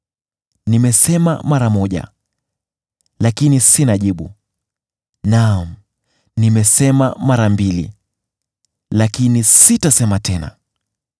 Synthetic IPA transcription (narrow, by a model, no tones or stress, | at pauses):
nimɛsɛma̰maɾamɔʄa̰ | lakinisinaʄiɓu | nam̩ | nimɛsɛma̰maɾambilḭ | lakinisitasɛmatʰɛna̰